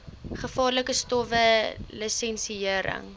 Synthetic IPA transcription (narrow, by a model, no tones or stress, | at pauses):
χəfɑːrləkəstɔvəlisɛnsiəɾə̰ŋ